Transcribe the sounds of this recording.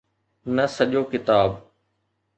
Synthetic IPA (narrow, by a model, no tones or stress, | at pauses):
nɐsɐʄoːkɪt̪aːb